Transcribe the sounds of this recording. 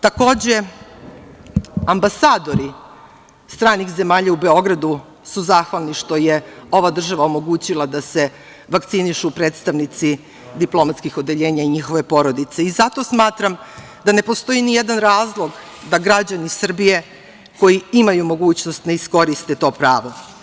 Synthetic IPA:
t̪ako̞ːd͡ʑe̞ | ambasaːd̪o̞ɾi | st̪ɾaːnixze̞maːʎaube̞o̞ɡɾad̪u | suzaːxʋalniʃt̪o̞je̞o̞ʋad̪r̩ʒaʋaomo̞ɡuːt͡ɕilˠad̪ase̞ | ʋakt̪siniʃupɾe̞ːt̪st̪aʋnit̪si | d̪iplo̞mat̪skixo̞d̪e̞ʎe̞ːɲaiɲixo̞ʋe̞po̞ɾo̞d̪it̪seizat̪o̞smaːt̪ɾam | d̪ane̞po̞st̪o̞jinijed̪anɾaːzlˠo̞ɡ | d̪aɡɾad͡ʑanisr̩bije̞ | ko̞jiimajumo̞ɡuːt͡ɕnost̪naisko̞ɾist̪e̞t̪o̞ːpɾaːʋo̞

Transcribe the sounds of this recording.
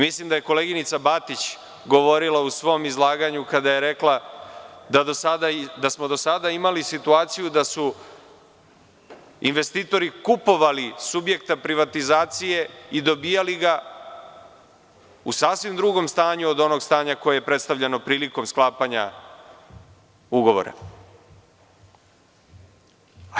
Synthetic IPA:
mislimd̪aje̞ko̞le̞ɡinit̪sabat̪it͡ɕ | ɡo̞ʋo̞ɾilausʋo̞mizlˠaːɡaɲukad̪aje̞ɾe̞kla | d̪ad̪osad̪ad̪asmo̞d̪o̞sad̪aimalisit̪uaːt̪sijud̪asu | inʋe̞st̪iːt̪o̞ɾikupo̞ʋalisubje̞kt̪apɾiʋat̪izaːt̪sije̞id̪o̞biːjaliɡa | usaːsʋimd̪ɾuɡo̞mst̪aːɲuod̪o̞no̞ɡst̪aːɲako̞jejepɾed̪st̪avʎeno̞pɾiːliko̞msklˠaːpaɲa̰ | uɡo̞ʋo̰ɾa̰

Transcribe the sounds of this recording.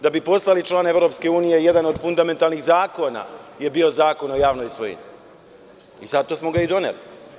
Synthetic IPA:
d̪abipo̞slalit͡ʃlˠaːne̞vɾo̞pske̞uːnije̞je̞d̪ano̞d̪fund̪ame̞nt̪alˠnixzaːko̞na̰je̞biːo̞zaːko̞no̞jaːʋnojso̰jḭɲi | izat̪ːosmoɡaid̪o̞nḛli

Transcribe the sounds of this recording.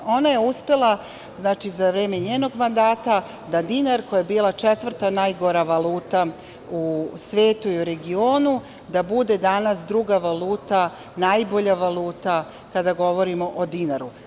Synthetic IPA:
o̞naje̞uspe̞lˠa | znaːt͡ʃizaʋɾeːme̞ɲeːno̞ɡmand̪aːt̪a | d̪ad̪inaɾkojaebiːlˠat͡ʃet̪ʋr̩t̪anajɡo̞ɾaʋalˠuːt̪a | usʋe̞ːt̪uiuɾe̞ɡio̞ːnu | d̪abud̪e̞d̪anasd̪ɾuɡaʋalˠuːt̪a | najbo̞ʎaʋalˠuːt̪a | kad̪aɡo̞ʋo̞ɾimo̞ʔod̪inaɾu

